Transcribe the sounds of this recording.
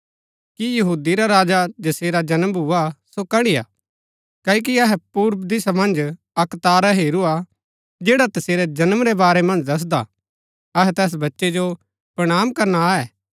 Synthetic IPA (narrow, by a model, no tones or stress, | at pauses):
kijɐɦuːd̪iɾaɾaːd͡ʒad͡ʒɐseːɾad͡ʒɐnəmbʱuasokɐɽ̃ija̰ | kɐːok̬iɐɦɛpuːɾbd̪ɪsamɐ̃nd͡ʒ | ɐkt̪aːɾaɦeːɾua | d͡ʒeːɽat̪ɐseːɾɛd͡ʒɐnəmɾɛbaːɾɛmɐ̃nd͡ʒd̪ɐs̬d̪a̰ | ɐɦɛt̪ɛːs̬bɐtːʃed͡ʒo | pɾɐɽ̃aːmkɐɾnaɛː